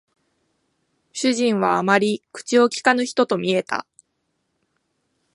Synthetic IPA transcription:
ɕɨʑĩɰ̃βaːmaɾʲikɯ̟̥t͡ɕio̞kʲi̥kanɯ̟çi̥t̪o̞t̪o̞mʲie̞t̪a̰

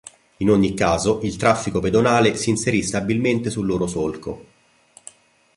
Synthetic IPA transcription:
inoɲːikːaːzoʔilt̪ɾafːikoped̪onaːlesiːnseɾist̪abilment̪esulːoːɾosolko̰

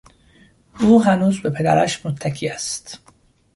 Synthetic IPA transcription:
ʔuːɦænuːzbe̞pʰe̞d̪æ̰ɾæ̰ʃmot̪ʰːækʰiːæst̪

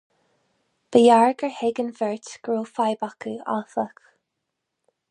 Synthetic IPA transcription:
b̥əjaɹɡəɹhɛɡənvɛɹtɡ̥ɹuːfajbakəa̰θək

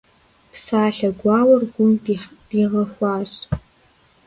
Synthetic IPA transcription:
psaːɬɐɡʷɑːwɐrɡʷʊmbiħb̥iʁɐxʷɑːɕ

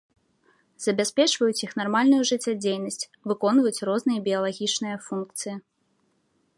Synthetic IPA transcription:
zɐbʲasʲpʲɛt͡ʂvɐjut͡sʲixn̪armalʲnujuʐɨt͡sʲːad͡zʲejnɐsʲt͡sʲ | vɨkɔnvɐjut͡sʲrɔznɨjɐbʲijɐlˠaɣʲit͡ʂnɨjɐfunk̚t̪sɨji

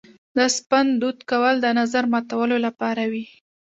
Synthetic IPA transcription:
d̪əspand̪ut̪kawəld̪ənazaɾmɑt̪awəlolapɑɾawi

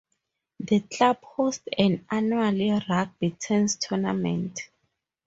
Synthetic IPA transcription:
ðəkʰlabhostɛ̃nanualirak̚b̥itʰɛ̃nstʰɔnamɛ̰̃ntʰ

